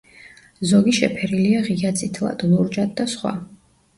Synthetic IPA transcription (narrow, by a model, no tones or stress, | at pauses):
zɔɡiʃɛ̰pʰɛɾiliaʁiat̪sʼit̪ʰlˠa̰d̪lˠuɾd͡ʒad̪̚d̪asχwa̰